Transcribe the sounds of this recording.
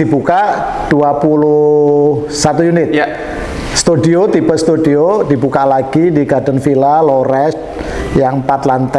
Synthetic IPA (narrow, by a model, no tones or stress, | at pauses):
ibukaʔ | d̥uapulu | sat̪ujunɪt̪̚ja | st̪udiot̪ibəst̪udiod̥ibukaʔlaɡ̥idiɡadənfilaloɾɛs̚ | jaŋpat̪lant̪ɛ